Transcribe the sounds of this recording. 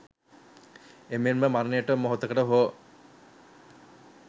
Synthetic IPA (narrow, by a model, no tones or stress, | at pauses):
emenməmaɾənejəʈəmoɦot̪əkəʈəɦoː